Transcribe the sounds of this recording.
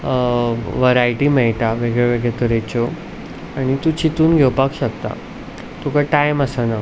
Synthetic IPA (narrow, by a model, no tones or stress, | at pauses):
ʋəɾajʈiːmɛɭʈaʋeɡɭeʋeɡɭet̪əɾet͡ɕo | aɽ̃it̪ut͡ɕit̪uːnɡʱewpakɕəkt̪a̰ | t̪ukaʈajməsana